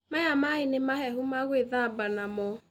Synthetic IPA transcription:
majamainemaɦɛɦumaɣweðabanamɔ

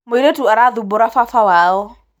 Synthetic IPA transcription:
meɾetuaɾaðubʊɾafafawaːɔ

